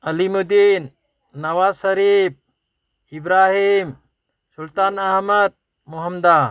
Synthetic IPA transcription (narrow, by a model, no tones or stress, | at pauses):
əlimud̪inː | ɐwassəɾib̚ | ibɾaɦim | sult̪anɐɦməd̪̚ | muɦəmd̪a